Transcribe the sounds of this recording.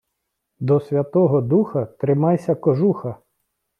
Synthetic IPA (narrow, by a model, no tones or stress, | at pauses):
d̪ɔsʲʋʲɐt̪ɔɦɔd̪uxɐt̪ɾɪmɑjsʲɐkɔʒuxɐ